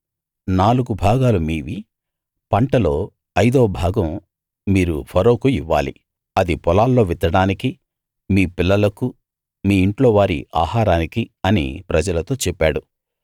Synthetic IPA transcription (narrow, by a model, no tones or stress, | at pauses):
naːluɡubʱaːɡaːlumiːʋi | pɐɳʈɐlo̞ː | ɐjd̪oːbʱaːɡɐmː | iːɾupʰɐɾoːkuiʋːa̰ːlḭ | ɐd̪ipɔlaːlːo̞ːʋid̪ɐɽaːniki | miːpilːɐlɐku | miːiɳʈlo̞ːʋaːɾḭʔa̰ːhaːɾaːnikiɐnḭpɾɐd͡ʒɐlɐt̪o̞ːt͡ʃɛpːaːɽu